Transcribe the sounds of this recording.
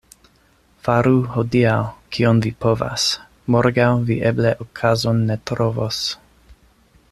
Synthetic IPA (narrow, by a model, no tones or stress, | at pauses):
faɾuhodiawkʰionvipo̞va̰s | moɾɡawviʔebleʔokʰazonːet̪ɾovos